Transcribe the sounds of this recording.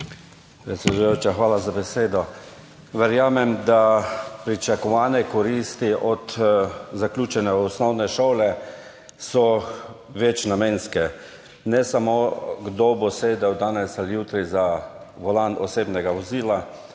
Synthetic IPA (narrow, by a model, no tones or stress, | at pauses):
pɾɛt̪sʲɛd̪uujoːt͡ʃaxʋaːlazabɛseːd̪ɔ | ʋɛɾjaːmɛmd̪apɾit͡ʃakɔʋaːnɛkɔɾiːst̪iʔɔt̪zaklʲuːt͡ʃɛnɛɔsnɔwnɛʃoːlɛ | sɔ | ʋɛt͡ʃnameːnskɛ | nɛsamoɡd̪oboseːd̪ɛwd̪aːnɛsalijuːt̪ɾiza | ʋɔlanɔseːbnɛɡaʋɔziːla